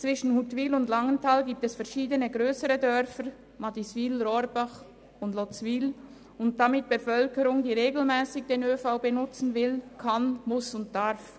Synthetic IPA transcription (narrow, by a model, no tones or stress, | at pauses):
t͡sv̥ɪʃn̩hutvilʊndlaŋəntʰalɡiːp̚tɛsfɛɐʃiːdənəɡʁøːsəɾədœɾfəɾ | madisviːlɾɔɾbaχ | ʊndlɔt͡sviːl | ʊnt̚d̥amɪt̚b̥əfœlkəɾʊŋdiːʁeːɡl̩mɛːsɪɡd̥eːnøːfaʊbenʊt͡sn̩vɪlkʰanmʊsʊnt̚d̥aɾf